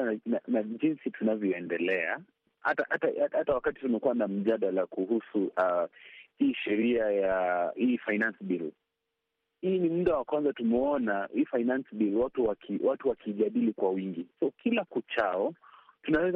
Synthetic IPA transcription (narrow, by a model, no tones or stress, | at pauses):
nanaʄinsitunavjɔɛndɛlɛa | ha̰tahataaatawakati̥tumɛkuwanam̩ʄaɗalakuhusuʔahiːʃɛɾiajahiːfajnansɓil | hiːnimuɗawakwanzatumɛɔnahiːfainansɓilwatuwakʰiwʔatuwakʰiʄaɗilikwawiŋɡisɔkʰilakut͡ʃaɔtunawɛz